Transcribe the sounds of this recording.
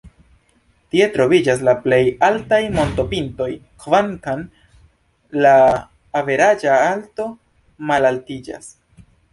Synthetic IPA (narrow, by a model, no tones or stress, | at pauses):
tie̞tɾo̞vid͡ʒas̬laple̞jaltajmo̞nto̞pinto̞jkvaŋkan | laː | ve̞ɾad͡ʒaalto̞ | malaltid͡ʒa̰s